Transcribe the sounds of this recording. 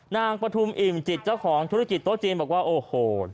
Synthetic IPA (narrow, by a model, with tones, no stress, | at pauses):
naː˧ŋpɾa˧t̪ʰu˧mʔi˨˩mt͡ɕi˨˩t̪̚t͡ɕa˥˩wkʰɔː˩˦ŋt̪ʰu˧˥ɾa˧˥ki˨˩t̪ːo˦˥t͡ɕiː˧nmbɔː˨˩k̚waː˥˩ʔoː˧hoː˧˩